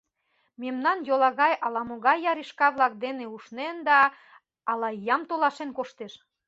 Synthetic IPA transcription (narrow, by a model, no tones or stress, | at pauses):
memnɑnjolɑɣɑjɑlɑmoɣɑjːɑɾiʃkɑβlɑk̚d̪eneuʃnend̪ɑː | lɑjɑmt̪olɑʃenkoʃt̪eʃ